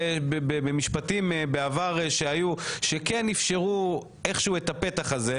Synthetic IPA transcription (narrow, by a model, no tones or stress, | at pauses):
bbebemiʃpatimbeavaʁeʃeajuʃekenifʃeʁu | eχʃeuetape̞taχaze̞